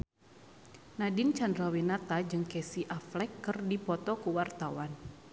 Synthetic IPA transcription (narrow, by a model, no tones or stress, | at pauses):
nadɪnt͡ʃandɾawinat̪ad͡ʒɨŋkɛsiʔaflɛkːɨrdipɔt̪ɔkuwart̪awan